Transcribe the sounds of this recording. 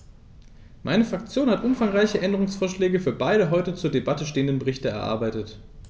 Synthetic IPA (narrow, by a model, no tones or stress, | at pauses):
mʔaɪnəfʁ̥ak̚t͡sjoːnhatʔʊmfaŋʁaɪçəʔɛndəʁ̞ʊŋsfoːɐʃlɛːɡəfyːɐbaɪɾəɦɔʏtət͡suːɐdebatəʃteːəndənbəʁɪçtəɛ̰ɐʔa̰ɐbaɪtət